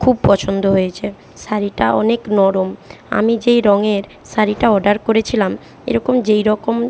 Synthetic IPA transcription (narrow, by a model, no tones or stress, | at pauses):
kʰub̚pɔt͡ɕʰond̪oɦojet͡ɕʰe | saɾiʈaʔɔ̰neknɔɾoma̰mid͡ʑejɾɔŋeɾ | saɾiʈaɔɖaɾkoɾet͡ɕʰilam | ḛɾɔkomd͡ʑejɾɔkom